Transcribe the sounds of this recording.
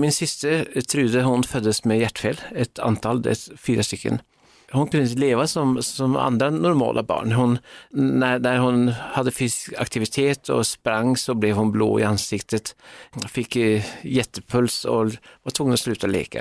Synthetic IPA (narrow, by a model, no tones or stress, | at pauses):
mɪnsɪst̪ət̪ʰɾʉd̪əhʊnfœd̪ːəsmɛjæʈːfeːlɛt̪ʰɑ̰nt̪ʰɑld̪ɛ̰fiːɾəst̪ʏkʰːə̰n | hʊnkʰʉnːɪt̪əleːʋasɔmsɔmɑ̰nd̪ɾanʊɾmɑ̰ːlʔɑbɑ̰ːɳɦʊnːæd̪æɾhʊnhɑd̪ːəfɪskɑ̰kt̪ɪʋɪt̪ʰeːt̪ʰɔ̰spɾɑŋːsɔblɛʋhʊnblo̰ːɪ̰ɑnsɪkt̪ʰət̪fɪkːjɛt̪ːəpʰʉlsɔʋɑʈtʰʊŋːənɔslʉːt̪aɔlḛːkʰə̰